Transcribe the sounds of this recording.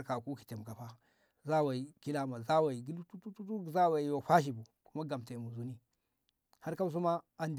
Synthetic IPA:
ɾka˨ku˦ki˨te˨m˨ka˨ɸa˦ | za˦wa˨i˨ki˦la˦ma˨za˦wa˨i˨ɡi˦ltu˦tu˦tu˦tu˦˨za˦wa˨i˨jo˨ɸa˦ʃ̬i˨bu˨ku˦ma˦ɡa˨mte˨mu˨zu˦ni˦ | ha˦ɾka˦s̬u˦ma˦a˨nd

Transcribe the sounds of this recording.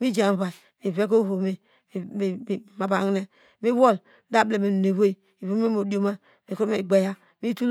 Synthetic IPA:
mi˦d͡ʒa˨βa˨ | mi˨ve˦k̬o˦ho˨me˨ | ma˨ba˨ŋ˦ne˦ | mi˦wo˦˨l | da˦ble˨me˨n˨ne˨wo˦i˨ | i˨βo˦e˦mo˨do˨ma˦ | mi˨ku˦ɾmi˨ɡ͡be˨ja˦ | mi˦tu˦l

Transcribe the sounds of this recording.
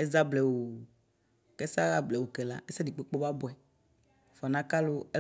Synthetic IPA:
ɛ˦za˦blɛ˨wo˨ | kɛ˦sa˦ɣa˦blɛ˨wo˨kɛ˨la̰˦ɛ˦sa˦di˨k͡pe˦k͡po˦ba˦bɔ˨ɛ˨ | fɔ˨nã˦ka˦lo˦ɛ˦

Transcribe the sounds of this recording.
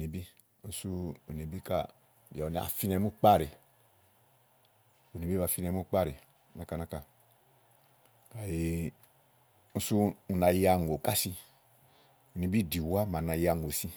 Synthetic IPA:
ne˨bi˦ | n̩˦su˦u˨ne˨bi˦ka̰˨ | ba˨u˨n˨˦a̰˨fi˦nɛ˧˨˦mu˦k͡pa˦˨ɾi˨ | u˨ni˨bi˦βa˧˨fi˦nɛ˧˦mu˦k͡pa˦˨ɾi˨ | na˨ka˨na˦ka˨ | ka˨ji˨˧ | n̩˦su˦u˨na˨ja˧˨ŋ˨o˨ka˦si˦ | u˨ni˨bi˦˨di˨wa˦ma˨na˨ja˨ŋ˨o˨si˦

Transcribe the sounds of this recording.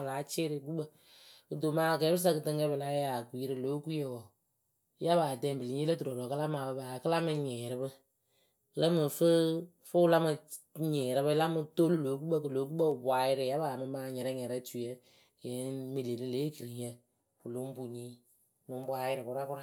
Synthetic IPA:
la˨˦t͡ʃɪ˦ɾɪ˨k̬u˦bə˨ | kɨ˨do˨maː˨˦˨kɛ˨˦bɨ˦s̬a˦kɨ˨tɨ˦ŋkɛ˦bɨ˨la˨˦ja˨kwi˨˦ɾɨ˦lo˦ku˦je˨wɔ˨ | ja˦βa˨dɛ˦˨mbɨ˨li˨˦ɲi˦lə˦tu˨ɾo˨ɾɔ˨kɨ˦la˦ma˨bə˨˧baː˨kɨ˦la˦mɨ˧ɲɛ˨ɾɨ˦bɨ˦ | lə˦mɨ˨fɨ˦ | fʊ˦la˦mɨ˧ | ɲɛ˨ɾɪ˦bɨ˦la˦mɨ˧to˦lu˦lo˨˦ku˦bə˦kɨ˨lo˨˦ku˦bə˦˨bwa˨jɪ˦ɾɪ˨ja˦baː˨mɨ˧maː˨ɲɛ˨ɾɛ˦ɲɛ˨ɾɛ˦t͡ʃu˨je˦˨ | e˨˦mi˨le˨li˦le˨˦ki˨ɾi˨ɲə˦ | u˨lo˦m˦bu˨ɲi˦˨ | lʊ˨˦m˦bwa˦jɪ˦ɾɪ˨kʊ˦ɾa˦kʊ˦ɾa˦

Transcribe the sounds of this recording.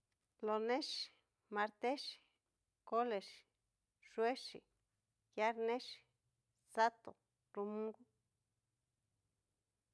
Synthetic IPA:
lo˨nẽ˦ʃi | ma˧ɾt̪e˦ʃi̥˨ | ko˦le˨ʃi̥ | ʂwe˦ʃḭ˨ | ja˦ɾnẽ˦ʃi̥ | sa˦t̪o̰˨ | ɾu˧mũ˦ŋɡu˦

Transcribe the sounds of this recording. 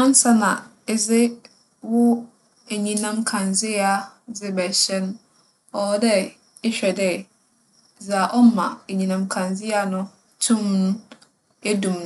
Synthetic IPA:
ã˦n̩˦sa˦nã˨ | ɛ˨zɪ˦ | wʊ˦ | æ˨ɲĩ˨nã˦mkʰã˨nd͡zɪ˦a˦ | d͡zɪ˦bɛ˨ɕɛ˦n˦ | ɔ˨˦dɛ˦ | ɛ˦ɕᶣɛ˨dɛ˦˨ | d͡za˨ʔɔ˦m˦mã̰˨æ˨ɲĩ˨nã˨mkʰã˨nd͡zɪ˦a˨nʊ̃˦ | tʰũ˦mnʊ̃˦ | e˦dũ˨m˦

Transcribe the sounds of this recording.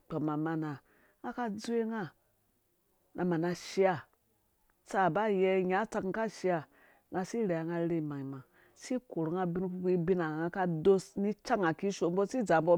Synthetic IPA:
k͡po˨ma˨ma˧na˨ | a˦ka˦d͡zu˦e˦ŋa˦ | nʔa˨ma˨na˧ʃi˦a˨ | t͡sa˨ba˦jɛ˧˦ɲa˨˦t͡sa˧kka˦ʃi˧a˨ | ŋa˧si˦ɾe˨a˨ŋa˧˦ɾe˦˨ma˨ŋi˨ma˨ | si˦ko˨ɾŋa˧bi˦n˦ku˧˦ku˦i˦bi˦na˨ŋa˧ka˧do˦sni˦t͡ʃa˦ŋa˨ki˦ʃo˨m̩˦bo˦si˦d͡za˨m˦bo˦

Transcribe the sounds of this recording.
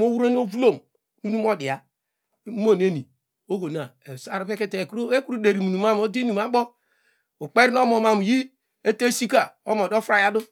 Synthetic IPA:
o˦wu˦ɾe˦n˦o˦vu˦lo˨m | nu˦nu˦m˦o˦di˨a˨˦ | mo˦˨n˦e˦ni˨ | o˦ɡo˨na˨e˨sa˨ɾo˨pe˦ke˦te˨ko˦e˦ku˦ɾu˦de˨ɾi˨mu˨nu˨ma˦m˦o˦di˦nu˨ma˦ɡ͡bo˦ | u˨k͡pe˦ɾi˦no˦mo˨ma˨m˨ji˦ | e˦te˦si˦ka˨o˦mo˨do˦fɾa˦ja˦du˦

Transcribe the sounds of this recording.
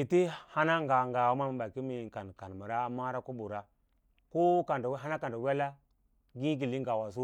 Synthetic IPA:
i˨ti˦ha˦na˦ŋ˦ɡa˨ŋɡa˨wa˦ma˦mi˨ɓa˨ki˦mi˨ka˨nka˨n˨mə˨ɾa˦ma˦ɾa˦ko˦bu˨ɾa˦ | ko˦ka˨ndɦa˦na˦ka˨n˨da˨we˦la˦ | ɡĩ˦ɡi˨li˦ŋɡa˨wa˨s̬u˦

